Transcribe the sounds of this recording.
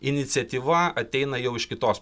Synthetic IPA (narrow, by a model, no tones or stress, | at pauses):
ɪnʲɪt̪sʲɛt̪ʲiːʋɐɐt̪ʲɛɪnɐjɛʊɪʃkʲɪt̪oːs